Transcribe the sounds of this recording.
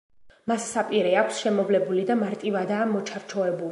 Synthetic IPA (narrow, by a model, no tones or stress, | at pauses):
masːapʼiɾɛakʷʰsʃɛmɔvlɛbulid̪amaɾt̪ʼivad̪aːmɔt͡ʃʰaɾt͡ʃʰɔɛbul